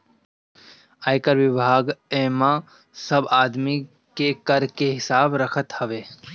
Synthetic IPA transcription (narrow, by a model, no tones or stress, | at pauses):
aːjkəɾʋɪbʱaːɡeːmã | səbaːd̪mi | kekəɾkeɦɪsaːbɾɐkʰət̪hɐʋeː